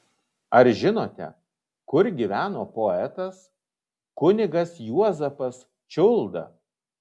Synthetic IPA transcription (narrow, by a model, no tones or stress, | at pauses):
ɐɾʒʲɪnoːt̪ʲɛ̰ | kʊɾɡʲiːʋʲæːnoːpoːɛt̪ɐs | kʊnʲɪɡɐsjuɔzɐpɐs | t͡ʃʲʊlˠd̪ɐ̰